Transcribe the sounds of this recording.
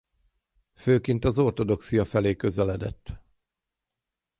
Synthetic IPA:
føːkint̪ɒzo̞rt̪o̞d̪o̞ksijɒfɛleːkø̞zɛlɛd̪ɛ̰t̪ː

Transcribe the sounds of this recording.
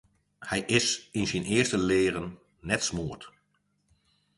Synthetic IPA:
hɛjʔɪsɪnzɛjnɪːɹstəleːrənː | ɛtsmuːəɹt

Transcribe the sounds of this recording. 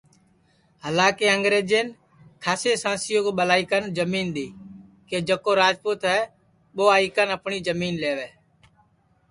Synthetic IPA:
ɦəlaːkeːəŋɡɾeːd͡ʒeːn | kʰaːseːsãːsɪjoːkoːɓəlaːiːkənd͡ʒəmiːnɗ̪iː | keːd͡ʒəkoːɾaːd͡ʒpuːt̪ɦɛː | ɓoːaːiːkənəpɳiːd͡ʒəmiːnleːʋeː

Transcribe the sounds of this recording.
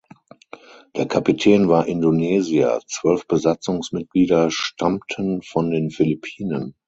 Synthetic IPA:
d̥eːɐkʰapitʰɛːnvaːɐʔɪndonɛːzia̰t͡sv̥œlfb̥əzat͡sʊŋsmɪt̚ɡ̥liːdɐʃtʰamtʰənfɔndeːnfɪlipʰiːnən

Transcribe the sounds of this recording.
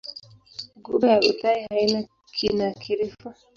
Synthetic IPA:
ɡubajaʔutaihaina | kʰinakʰiɾifa

